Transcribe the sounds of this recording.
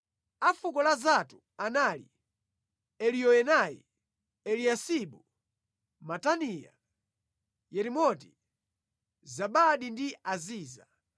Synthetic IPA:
afukɔlazatu | anaːlḭ | ɛlijɔɛnaḭ | ɛliasiɓu | matanija̰ | jɛɾimɔti | zaɓaɗindiaziːza

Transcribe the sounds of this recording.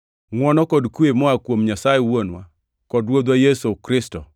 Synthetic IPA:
ŋwɔnɔkɔdkwemɔakwomɲasajɛwonwa | kɔdwod̪wajesokɾɪstɔ

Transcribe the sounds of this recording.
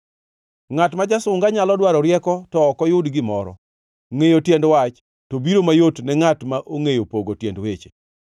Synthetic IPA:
ŋatmad͡ʒasʊŋɡaɲalɔdwaɾɔɾjɛkɔtɔːkɔjʊdɡɪmɔɾɔ̰ | ŋejotjendwat͡ʃ | tobiɾomajotnɛŋatmaʔoŋejopoɡotjendwet͡ʃe̥

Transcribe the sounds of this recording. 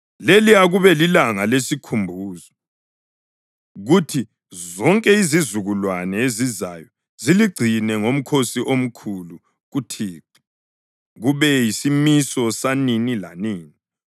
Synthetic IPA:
leliaɣuβɛlilaŋalesikʰumbʱuːzɔ | ɣutʰi | zɔŋkʼɛizizuɣulwanɛeziza̰jɔ | ziliɡ͡ǀʱinɛŋom̩kʰosiʔom̩kʰulu | ɣutʰiːǁɛ̥ | ɣuβɛjisimisɔsaninila̰niːni

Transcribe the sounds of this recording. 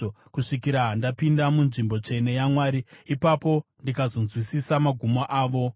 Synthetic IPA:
kuʂikiɾaɦandapindamunʐimbo̞t͡ʂe̞ne̞jamwaːɾiːpapo̞ndikazo̞nzwisisamaɡʱumoʔaːʋo̞

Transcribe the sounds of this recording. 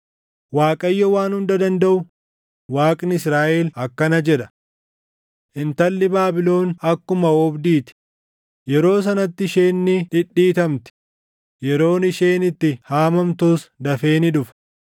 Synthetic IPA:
waːkʼɐjːɔwaːnhʊnd̪ɐd̪ɐnd̪ɐʔʊ | waːkʼnɪɪsɾaːʔelɐkːɐnɐd͡ʒɛᶑɐ̥ | ʔɪnt̪ɐlːɪbaːbɪlo̞ːnɐkːʊmɐɔbd̪iːt̪ɪ̥ | jɛɾo̞ːs̬ɐnɐt̪ːɪʃe̞ːnːɪᶑɪᶑːiːt̪ɐmt̪ɪ̥ | jɛɾo̞ːnɪʃe̞ːnɪt̪ːɪhaːmɐmt̪uːsd̪ɐfe̞ːnɪᶑʊf

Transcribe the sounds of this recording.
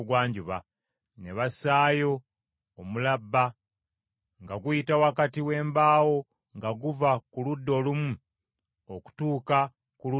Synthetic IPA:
ɡwaːɲɟuβa | neβasaːjo̞ː | mulabːa | ŋɡaɡuitawakatiwe̞ːmbaːwo̞ | ŋɡaɡuvakuludːo̞lumu | oku̥tuːka | kulu

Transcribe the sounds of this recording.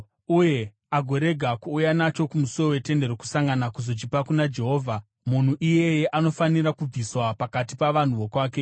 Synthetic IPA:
uje̞ | aɡʱo̞ɾe̞ɡʱakuːjanat͡ʃo̞kumusoʋowe̞te̞nde̞ɾoku̥saŋɡanakuzo̞t͡ʃipakunad͡ʒe̞ɦo̞ːvʱa | mun̤uʔije̞je̞ʔano̞faniɾakub͡viswapakatipaʋan̤uʋo̞kwaːke̞

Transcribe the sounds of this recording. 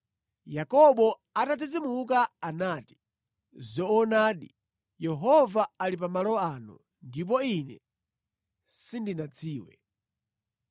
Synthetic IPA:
jakɔɓɔ | atad͡zid͡zimuk̬aanaːti̥ | zɔːnaːɗḭ | jɛɦɔvaalipamalɔanṵ | ndip̬ɔinɛ̰ | sindinat͡sʰiːwɛ̰

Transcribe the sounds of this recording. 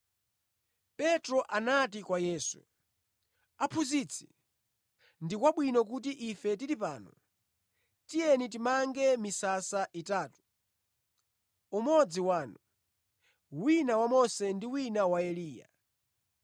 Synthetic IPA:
pɛtɾɔʔanatikwajɛːsu̥̰ | apʰuzit͡sʰi̥ | ndikwaɓwinɔk̬utiʔifɛtiɾipaːnɔ̰ | tijɛnit̬imaŋɡɛmisasaʔitaːtu̥ | umɔd͡ziwaːnu | winawamɔsɛndiwinawaɛliːja̰

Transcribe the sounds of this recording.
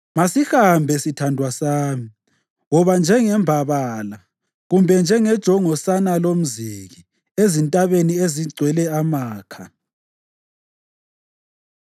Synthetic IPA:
masihambʱɛsitʰandʱwasaːmi | ŋɔβand͡ʒʱɛŋɛmbʱaβaːla | ɣumbʱɛnd͡ʒʱɛŋɛd̥ʒ̥ʱɔŋɔsanalom̩ziɣi | ezintʼaβenieziɡ͡ǀʱwɛlɛamaːkʰa

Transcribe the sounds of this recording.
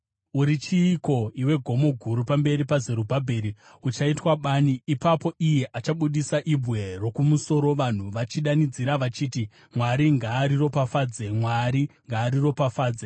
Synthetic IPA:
uɾit͡ʃiːko̞iwe̞ɡʱo̞mo̞ɡʱuɾupambe̞ɾipaze̞ɾubʱabʱeɾi | ut͡ʃaitwaɓaːniːpapo̞ʔije̞ʔat͡ʃaɓuɗisaʔibʱwe̞ro̞kumuso̞ɾo̞ʋan̤uʋat͡ʃiɗanid͡ziɾaʋat͡ʃiːti | mwaɾiŋɡaːɾiro̞pafaːd͡zemwaɾiŋɡaːɾiro̞pafaːd͡ze

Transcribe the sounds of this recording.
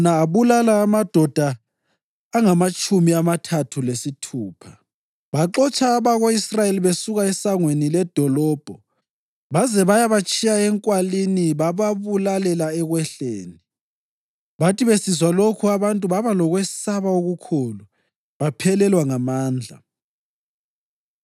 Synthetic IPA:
naːβulalaːmad̥ʱɔd̥ʱaː | ŋamat͡ʃʼumiamatʰatʰulesitʰuːpʰa | βaǁɔt͡ʃʼʰaːβaɣoisrajeliβesuɣaɛsaŋwenilɛd̥ʱɔlɔːb̥ʱɔ | βazɛβajaβat͡ʃʼijaɛŋkʼwaliniβaβaβulalɛlaɛɣwɛɬeːni | βatʼiβesizwalokʰuaβantʼuβaβalɔɣwessaβaoɣukʰoːlu | βapʰɛlɛlwaŋamaːnd͡ɮʱa̰

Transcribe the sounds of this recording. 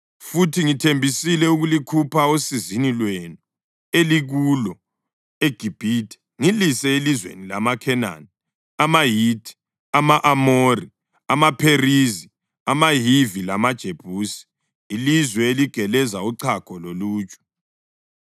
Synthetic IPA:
futʰiŋitʰembʱisilɛuɣulikʰupʰaosizinilwenu | eliɣulɔ | eɡ̥ʱib̥ʱitʰʼɛ̥ | ŋilisɛelizwḛnilamakʰɛna̰ni | amajitʰʼi̥ | amaʔamori | amapʰerizi | amaɦivilamad̥ʒ̥ʱeb̥ʱuːsi̥ː | lizwɛeliɡ̥ʱɛlɛzauǀʰakʰɔloluːt͡ʃʼu̥

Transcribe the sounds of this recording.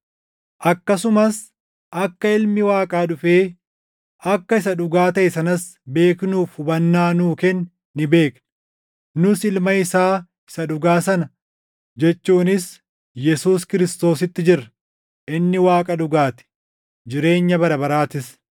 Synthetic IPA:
ʔɐkːɐsʊmɐs | ʔɐkːɐɪlmɪwaːkʼaːᶑʊfeː | ɐkːɐɪs̬ɐᶑʊɡaːt̪ɐʔɛsɐnɐs | be̞ːknuːfʊbɐnːaːnuːkɛnː | ɪbe̞ːknɐ̥ | nʊsɪlmɐɪsaː | ɪ̥sɐᶑʊɡaːsɐnɐ | d͡ʒɛt͡ʃːuːnɪs | jɛsuːskɪɾɪst̪o̞ːsɪt̪ːɪd͡ʒɪɾɐ | ʔɪnːɪwaːkʼɐᶑʊɡaːt̪ɪ̥ | d͡ʒɪɾe̞ːɲːɐbɐɾɐbɐɾaːt̪ɪs

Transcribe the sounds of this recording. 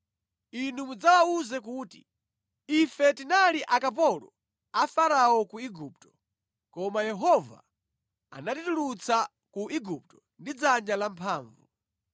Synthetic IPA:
inumud͡zawauzɛk̬uːtḭ | ifɛtinaliʔakap̬ɔlɔ̰ | afaɾaɔkuiɡup̚tɔ̥ | kɔmajɛɦɔva̰ | a̰natitulut͡sa | kuʔiɡup̚tɔ | ndid͡zand͡ʒalampʰaːɱvu

